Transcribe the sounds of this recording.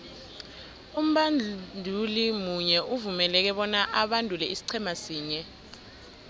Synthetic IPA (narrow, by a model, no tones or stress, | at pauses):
um̩ɓandʱulimuɲɛʔuvumɛlɛk̬ɛɓɔnaʔaɓandʱulɛisi̥ǀʰɛmasiːɲɛ